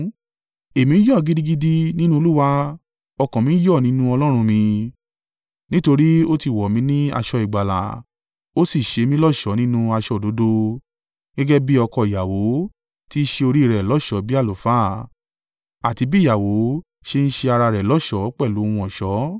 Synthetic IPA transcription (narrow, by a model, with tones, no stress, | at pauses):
e˨mĩ˧˦jɔ˦˨ɡi˦di˦ɡi˦di˦nĩ˦nũ˦o˧lu˦wa˧ | ɔ˧kɔ̃˨mĩ˨˦jɔ˦˨nĩ˦nũ˦ɔ˧lɔ˦ɾ̃ũ˧mĩ˧ | nĩ˦to˧ɾi˦o˦ti˧˨wɔ˨mĩ˧˦nĩ˦a̰˧ʃɔ˧i˨ɡ͡ba˨la̰˨ | o˦si˦˨ʃe˨˧mĩ˧˦lɔ˦˨ʃɔ˨˦nĩ˦nũ˦a˧ʃɔ˧˨do˨˦do˦ | ɡɛ˦ɡɛ˦bi˦ɔ˧kɔ˧˨ja˨wo˨˦ | ti˦ʃe˧o˧ɾi˦i˦˨ɾɛ˨lɔ˨˦˨ʃɔ˨˦bi˦a˦˨lo˨faː˨˦˨ | a˨ti˨˧˦bi˦ja˨wo˨˦ | ʃe˧ñ̩˦ʃe˧a˧ɾa˧ɾɛ˨lɔ˨˦˨ʃɔ˨˦k͡pɛ˦˨lũ˨˦˧ũ˧ɔ˨ʃɔ˨˦